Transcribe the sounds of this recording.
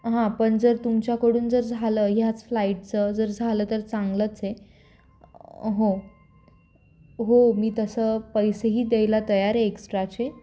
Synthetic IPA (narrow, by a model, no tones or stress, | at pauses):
ɦãpəɳd͡zəɾt̪umt͡ɕjakəɽuːnd͡zəɾd͡zʱaləɦjat͡sflaiʈ̚t͡səd͡zəɾd͡zʱaləːt̪əɾt͡saŋɡlət͡se | ɦo | ɦomiːt̪əsəːpəjseɦiːd̪ejlat̪əjaɾɦeeksʈɾat͡ɕe